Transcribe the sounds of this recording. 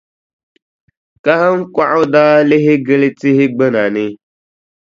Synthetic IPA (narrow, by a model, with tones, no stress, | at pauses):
ka˦hə˦ŋ˦kʷa˦ʔu˦da˦le˦ɦi˦ɡə˦le˦ti˦hi˦ɡ͡bə˦na˨nɪ˦